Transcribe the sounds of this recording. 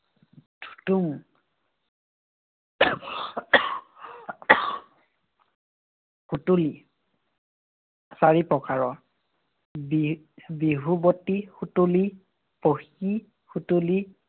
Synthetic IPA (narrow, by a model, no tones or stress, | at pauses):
d̥ʰʱu̥tuŋ | xutuli | saɹipɹɔkaɹɔ | bi | biɦubotixutuli | poxi | xutuli